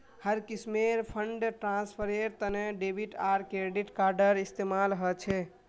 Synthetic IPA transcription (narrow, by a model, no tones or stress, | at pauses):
həɾkismeɾpʰəɳɖʈɾãspʰəɾeɾt̪əneɖebʱiʈaɾkɾeɖiʈkaɾɖəɾist̪emalɦɔt͡ʃʰɛ